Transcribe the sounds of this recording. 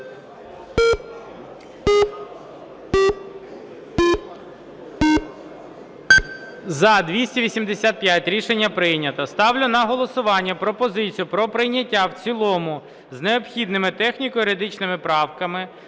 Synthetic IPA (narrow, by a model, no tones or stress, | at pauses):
zɐd̪ʋʲisʲtʲiʋʲisʲimd̪esʲat̪̚pʲjatʲɾʲiʃenʲːɐpɾɪjnʲɐt̪ɐst̪ɑwlʲʊnɐɦɔlˠɔsʊʋɑnʲːɐpɾɔpɔzɪt͡sʲijʊpɾɔpɾɪjnʲɐtʲːawt͡sʲilˠɔmʊ | zneɔpxʲid̪nɪmɪt̪ɛxnʲikɔjɪɾed̪ɪt͡ʃnɪmɪpɾɑwkɐmɪ